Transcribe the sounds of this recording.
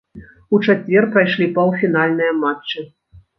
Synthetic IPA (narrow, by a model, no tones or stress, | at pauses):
ut͡ʂat͡sʲvʲɛrpɾajʂlʲipɐwfʲin̪alʲnɨjɐmaɨ